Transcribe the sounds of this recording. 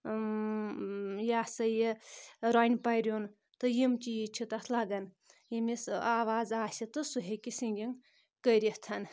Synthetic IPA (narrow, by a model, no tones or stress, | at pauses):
jasɐjeɾajnʲpɐjɾʲjon | t̪ɨjimt͡ʃijit͡ʃʰit̪asʰlaɡɐn | jimisaːʋaːd͡zaːsit̪ɨsuɦekisiŋɡʲiŋ | kəjɾʲiht̪ʰɐn